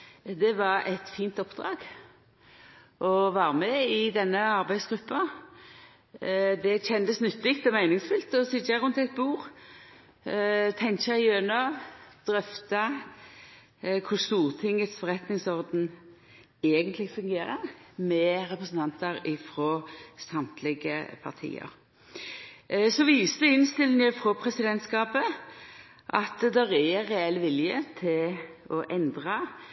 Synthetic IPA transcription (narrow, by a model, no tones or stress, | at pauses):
d̪ɛʋɑɾɛt̪fiːnt̪ɔpd̪ɾɑ̰ːɡ | ʔɔʋɑːɾəmɛɪd̪ɛnːəɑʁbæɪsɡ̥ɾʉpːɑ | d̪ɛçɛnd̪əsnʏt̪lɪk̚t̪ɔmæɪnɪŋsfʏlt̪ɔsɪd͡ʒɑʁʉnt̪ɛt̪̚buːʁ | t̪ʰɛŋçɑɪjøːnɑʋd̪̥ɾœft̪ɑ | kʰʊst̪uːɾt̪ʰɪŋːət̪sfɔʁɛt̪nɪŋsɔʁd̪n̩ | eːɡənt̪ʰlɪɡfʉŋɡeːɾəʁmɛʁɛpɾəsn̩t̪ʰɑnt̪əɾɪfɾoːsɑmt̪ʰlɪɡə̰pʰɑ̰ʁt̪ʰḭːə̰ɾ | sɔʋiːsəəɪnst̪ɪlːɪŋəfʁɔpʰʁɛsɪd̪ɛnt̪skɑːpə | ʔɑt̪d̪ɛʁɛɾɛɛlːʋɪljət̪ʰɪlɔʔɛnd̪ʁɑ